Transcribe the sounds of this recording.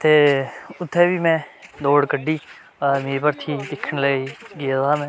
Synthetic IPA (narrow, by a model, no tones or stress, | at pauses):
t̪eːʊt̪ʰːɛːʋiːmɛ̃ːd̪oːɽkəɖːiː | əmeːɾepəɾt̪ʰiːt̪ɪkʰːəɳləiːɡɪjat̪aːmɛ̃ː